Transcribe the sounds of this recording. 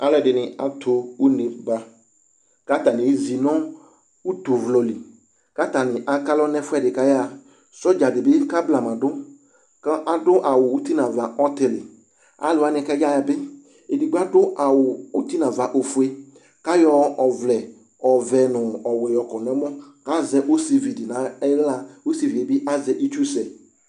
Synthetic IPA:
a˨˦lɛ˨dɪ˨nɪ̃˨a˨tʰo˨u˦ne˨ba˨ | ka˦ta˨nɪ̃˨˦zi˨nɔ̃˦ | u˦t̪o˨vlɔ˨li˨ | ka˦ta˨nɪ˨ʔa˨ka˦lɔ˦nɛ̃˦fʊ˦ɛ˦dɪ˨ka˦ja˦˨ | sɔ˦d͡ʒa˨dɪ˨bɪ˦ka˦bla˨mã˨dʊ˦ | ka˦dʊ˦ʔa˨wʊ˨u˦t̪i˦nã˨va˨ʔɔ˦t̪ɪ˨lɪ˨ | a̰˨lʊ˨˦˨a˨˦nɪ˨ka˦d͡ʒa˦ja˨bɪ˦ | e˨di˨ɡ͡ba˦dʊ˦ʔa˨wʊ˨u˦t̪i˦nã˨va˨ʔo˨fu˨e˦ | ka˦jɔ˦ɔ˨vlɛ˨ | ɔ˨vɛ˨nʊ˨ɔ˨wʊ˨ɪ˨ɔ˨kɔ˨n˨ɛ˨˦mɔ˦ka˦zɛ˨˦ʔo˦se˨vi˨dɪ˨nã˨ɛ˦ɣla˨o˦si˨vi˨dɪ˨bɪ˦ʔa˦zɛ˨ʔi˦t͡ʃu˦sɛ˨

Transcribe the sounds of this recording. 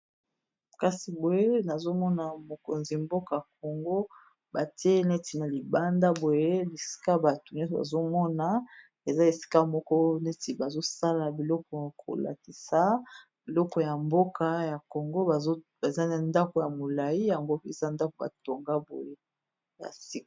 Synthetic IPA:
ka˨si˨bo˨je˦na˨zo˦mɔ˦na˨mo˨ko̰˨nzi˨mbo˦ka˨ja˨k̚o˨ŋɡo˦ | ba˨ti˦e˦ne˦ti˨na˨li˨ba˦nda˦bo˨je˦li˨si̥˦ka˦ba˨tu˨nɔ˦sba̰˨zo˦mɔ˦na˨ | e˨za˦e˨si̥˦ka˦mɔ˦kɔ˦ne˦ti˨ba˨zo˦sa˦la˨bi˨lɔ˦kɔ˨kʰo̰˨la̰˨ki˨sa˨˦ | b̥i˨lɔ˦kɔ˨ja˨mbo˦kʰa˦ja˨ko˨ŋɡo˦a˨˦ba˨za˦na˨nda˦ko˨ja˨mo˨la˨ji˦ja˨ŋɡo˦e˨za˦nda˦ko˨ba̰˨to˨ŋɡa˦bo̰˨je˦ | ja̰˨si˦k

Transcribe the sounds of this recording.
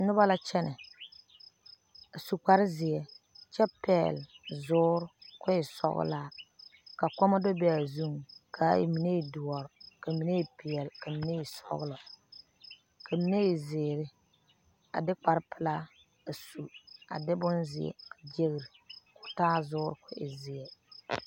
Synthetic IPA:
nʊ˦ba˦la˦t͡ʃɛ˦nɪ˨ | a˨su˨k͡pa˨ɾɪ˦zɪ˨ɛ˨ | t͡ʃɛ˦pɛː˦˨lzʊː˦ɾʊ˦kʊ˦jɪ˨sɔ̰˦ɣʊ̰˦laː˦ka˨kɔ˦ma˦dɔ˦bɛ˦a˨zu˦ŋkʰa˨˦ḭ˨mi˨ne˦i˨dʊ˨ɔ˨ɾka˨mi˨ne˦i˨pi˨ɛ˨lka˨mi˦ne˦i˨sɔ̰˦ɣʊ˦lɔ˨ | kʰa˨mi˨ne˦ɪ˨zɪː˨ɾɪ˦ | a̰˨dɪ˦k͡pa˨ɾpʰɪ˨la˦ | a˨su˨a̰˨dɪ˦bʊ˦nzɪ̰˨ɛ̰˨kʰa˨d͡ʒe˦ɣi˨ɾɪ˨kʊ˦taː˦zʊː˦ɾkʊ˦ʔɪ̰˨zɪ˨ɛ˨

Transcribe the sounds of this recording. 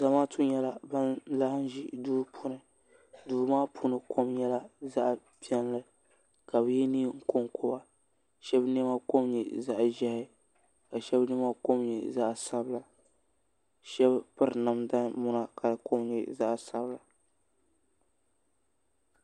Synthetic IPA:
za˨maː˦tu˦ɲɛ˦la˨ba˦nla˦hɪ˦n˦ʒi˦duː˦pʰʊ˦nɨ˨ | duː˨˦maː˦pʰʊ˦nɨ˨kʰo˦mɲɛ˦la˦za˦ʔ | pi˦ɛ˦n˦lɨ˦ | ka˨bɨ˦jɛ˦niː˦ŋ̩˦ko˦ŋkʰʊ˦ba˨ | ʃɛ˦bnɨ˦ma˦ko˦mɲɛ˨za˦ʔʒɛ˦hɪ˦ | ka˨ʃɛ˦bnɨ˦ma˦ko˦mɲɛ̰˨za˦ʔsa˦bla˨ | ʃɛ˦bpɨ˦ɾna˨mda˦nmʊ˦na˦ka˨ko˦mɲɛ̰˨za˦ʔsa˦bla˨

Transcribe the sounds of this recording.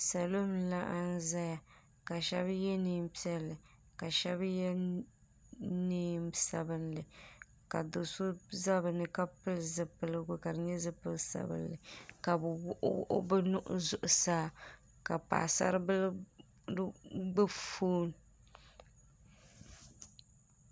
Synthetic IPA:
sa˨lo˦mla˦ʔa˦n˦za˦ja˨ | ka˨ʃɛ˦bjɛ˦niː˦m˦pi˦ɛ˦lːɨ˨ | ka˨ʃɛ˦bjɛ˦ | niː˦msa˨bɨ˦nlɨ˨ | ka˨dʊ˨so˦za˦bɨ˨nɨ˦ka˦pɨ˦lzɨ˨pɨ˨lɨ˦ɡʊ˨ka˨dɨ˨ɲɛ˦zɨ˦pɨ˦lsa̰˨bɨ̰˦nlɨ˨ka˨bwʊ˦ʔʔʊ̰˦bɨ˦nʊ˦ʔʊ̰˦zʊ˨ʔʊ˨saː˦ | ka˨pa̰ː˨sa̰˦ɾɨ˦bɨ˦l | ɡ͡bɨ˦foː˦n˨

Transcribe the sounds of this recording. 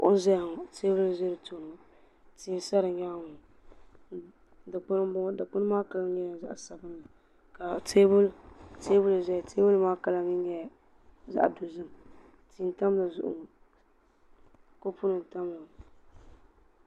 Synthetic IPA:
o̰˦zɛ˦ja˨ŋɔ˨te˦bʊ˦lze˦ɾɨ˨to˦˨nɨ˨ŋɔ˨ | ti˨˦sa˦ɾɨ˨ɲa˦˨ŋ˨ | da˨k͡pʊ˦n˦bʊ˦ŋ˦da˨k͡pʊ˦n˦maː˦ka˦la˦ɲɛ˦ja˨za˦ʔsa˨bɨ˦nːa˨ | ka˨te˦bʊ˦lte˦bʊ˦la˨zɛ˦˨tʰe˦bʊ˦lmaː˦ka˨la˦ɲi˦ɲɛ˦˨˦ | za̰˦ʔdo˨zɨ˦m˨ | ti˨n˨ta˦m˦la˨zʊ̰˦ʔʊ̰˨ŋɔ˨ | ko˦pu˦nɨ˨n˨ta˦mla˨

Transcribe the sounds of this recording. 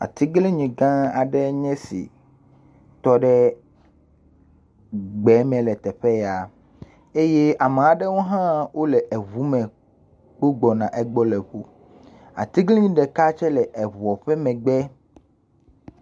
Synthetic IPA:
a̰˨t̪i˦ɡlẽ˦ɲĩ˨ɡã˦a˨ɖɛ˦ɲɛ̃˦sḭ˨ | t̪ɔ˦ɖɛ˦ | ɡ͡bɛ˨˦mɛ̃˨lɛ˨t̪ɛ˨ɸɛ˦ja˨ | e˦je˦ʔa˨mẽ˨a˨ɖɛ˦wo˦ɦã˦wʔo˦lɛ˨ʔɛ˨βu˨˦mɛ̃˨ | k͡po˦ɡ͡bɔ˨nã˨ʔɛ˦ɡ͡bɔ˦lɛ˨ɸu˦ | a̰˨t̪i˦ɡle˦ɲĩ˦ɖɛ˨ka˦t͡ʃɛ˦lɛ˨ʔɛ˨βɔ˨ɸɛ˦mɛ̃˨ɡ͡bɛ˦

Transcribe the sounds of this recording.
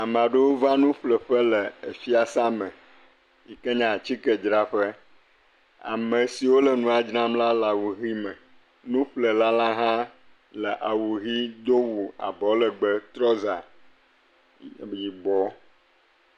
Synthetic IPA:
a˨mã˨ɖə˦wo˦vã˦nũ˦ɸlə˨ɸə˦lə˨e˨fi˦a˨sa˦mə̃˨ | ji˨kɛ˦ɲã˨t͡ɕi˦kɛ˨d͡ʒɾa˦ɸə˦ | a̰˨mə̃˨si˨wo˦lə˨nũ˨˦a˨d͡ʒnã˦mla˦la˨wu˨ɣi˦mə˨ | nũ˦ɸlə˨la˦la˦ɦã˦ | lə˨ʔa˨wu˨ɣi˦d̪o˦wu˨a̰˨bɔ˨lə˨ɡ͡bə˦t̪ɾɔ˦za˨ | ji˨ɡ͡bɔ˨˦

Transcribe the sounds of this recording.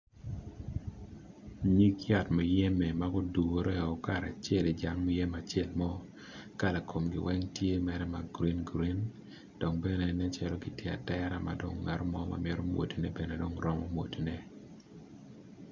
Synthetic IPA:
ɲi˦kja˨tmɔ˨jɛ˦mɛ˨maɡo˦du˨wo˨ɾɛ˦˨ɔ˨ka˨ɾa˨t͡ʃɛ˦˨le˨d͡ʒa˦ŋmɔ˦jɛ˦ma˨t͡ʃɛ˦˨lmɔ˦ | ka˦la˨kʰo˨mɡɪ̰˨wɛ˦ŋtje˦mɛ˨ɾɛ˦ma˨ɡɾi˦nɡɾi˦n | d̥ɔ˨ŋbɛ˦nɛ˨nɛ˦t͡ʃɛ˦lɔ˦ɡi˨tje˦˨a̰˨tɛ˦ɾa˨ma̰˨do˨ŋːa˨ɾɔ˦mɔ˦ma̰˨mjɛ˦ɾo˦mwo̰˨ti˨nɛ˦bɛ˨nɛ˨do˦ŋɾɔ˦mɔ˦mwo˨ti˨nɛ˦

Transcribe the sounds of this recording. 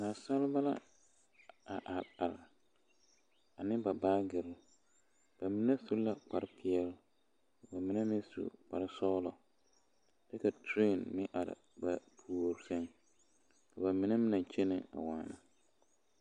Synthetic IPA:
na˨sa˦lba˦la̰˦ | a̰˨ʔa˨ɾa˨ɾa˨ | a˨nɪ̃˦ba˨baː˦ɡɪ˨ɾɪ˦ | b̥a˨mɪ˦nɛ˦su˦la˨k͡pa˨ɾɪ˦pʰɪ˦ɛ˦l | ka˨ba˨mɪ˨nɛ˦mɪ̃˦sṵ˨k͡pa̰˨ɾɪ˦sɔː˦lɔ˨ | dɛ˦ka˨tʰɾe˦˨nmɪ̃˦ʔa˨ɾɪ̰˨ | ba̰˨pʰu˨o˨ɾsɛ˦ŋ | ka˨ba˨mɪ˨nɛ˦mɪ˦nɛ˨t͡ʃe˦nɪ˨a̰˨waː˨na̰˨

